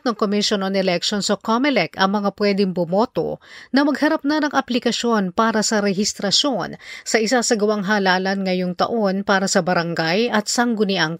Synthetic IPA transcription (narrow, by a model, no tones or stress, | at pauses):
t̪̚nɐŋkomiʃjononɛlɛk̚ʃonsokomɛlɛkɐŋmɐŋapwɛd̪ɪŋbʊmo̞ːt̪o̞̰nɐmɐɡhɐɾap̚nɐnɐŋʔɐplɪkɐʃo̞npaːɾɐsɐɾɛɦɪst̪ɾɐʃo̞nsɐʔɪsasɐɡɐwaŋɦaːlaːlɐnŋɐjo̞ŋt̪ɐ̰ʔo̞npaːɾɐsɐbɐɾɐŋɡajʔɐt̪̚sɐŋɡʊnɪʔaŋ